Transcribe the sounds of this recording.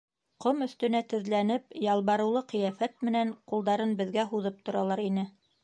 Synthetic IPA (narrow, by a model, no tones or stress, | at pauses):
qomɵ̆θt̪ɵ̆næt̪ɵ̆ðlænɘpjɑlˠβɑɾɤ̆wlˠɤqɤ̆jæfæt̪̚mɘ̆næɴqulˠd̪ɑɾɤnbɘ̆ðɡæɦuðɤp̚t̪ŏɾɑlˠɑɾinɘ